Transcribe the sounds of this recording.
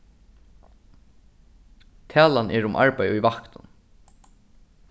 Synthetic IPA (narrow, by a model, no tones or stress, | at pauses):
t̪ʰæːlanɛːɹʊmʔa̰ɹpajujvahknʊn